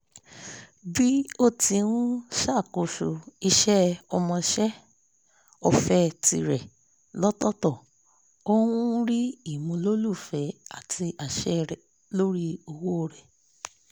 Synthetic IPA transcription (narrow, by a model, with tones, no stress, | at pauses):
bi˦o˦ti˧wũ˦ʃa˦˨ko˨ʃo˨i˧ʃɛ˦ɔ˧mɔ̃˧ʃɛ˦ | ɔ˧fɛ˧tḭ˧ɾɛ˨ | lɔ˦tɔ˦tɔ˦˨ | o˦wũ˦ɾi˦i˦˨mũ˧lo˦lu˦˨fɛ˨a˨tʰi˧a˨ʃɛ˦ɾɛ˨ | lo˦ɾi˦o˧wo˦o˦˨ɾɛ˨